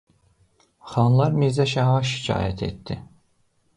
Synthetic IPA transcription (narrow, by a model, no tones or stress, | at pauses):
χɑnlˠɑɾmizæʃæɦɑʃi̥cʰɑ̰ːjæt̪ʰḛt̪ːi